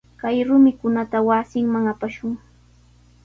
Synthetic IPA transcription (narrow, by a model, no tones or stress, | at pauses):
kajɾʊmɪkʊnat̪awasɪŋmaŋapaʃʊŋ